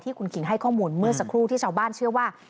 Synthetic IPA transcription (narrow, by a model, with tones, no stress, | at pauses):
t̪ʰiː˥˩kʰu˧nkʰi˨˩˦ŋɦa˥˩jkʰɔː˥˩muː˧nmɯ˥˩əsa˧kʰɾuː˥˩t̪ʰiː˥˩t͡ɕʰaː˧wbaː˥˩nt͡ɕʰɯ˥˩əwaː˥˩